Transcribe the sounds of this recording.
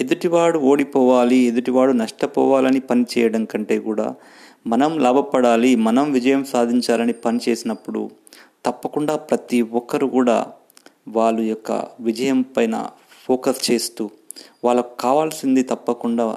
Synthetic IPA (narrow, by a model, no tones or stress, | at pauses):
ed̪uʈiʋaːɽuo̞ːɽipɔːʋaːlied̪uʈiʋaːɽunɐʂʈɐpɔ̰ːʋaːlɐnipɐnit͡ʃɛːjɐɽɐŋkɐɳʈe̞ːkuːɽa̰ː | mɐnɐmlaːbʱɐpɐɽaːlimɐnɐmʋid͡ʒɐjɐmsaːd̪ʱiɲt͡ʃaːlɐnipɐnit͡ʃe̞ːsinɐpːuɽṵ | t̪ɐpːɐkuɳɖaːpɾɐt̪iɔkːɐɾukuːɽa̰ː | ʋaːɭːujɔkːɐ̰ʋid͡ʒɐjɐmpɐjnɐ̰ | pʰoːkɐst͡ʃe̞ːst̪uː | ʋaːɭːɐkukaːʋaːlsind̪it̪ɐpːɐkuɳɖaː